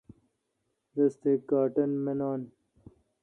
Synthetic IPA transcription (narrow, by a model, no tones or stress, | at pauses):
ɾɐst̪ekaːʈɐnmenaːn